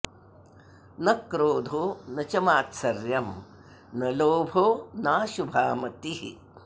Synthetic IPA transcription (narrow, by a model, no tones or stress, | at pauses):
nɐkɾoːd̪ʱonɐt͡ʃɐmaːt̪sɐɾjɐm | nɐloːbʱonaːʃubʱaːmɐt̪iɦi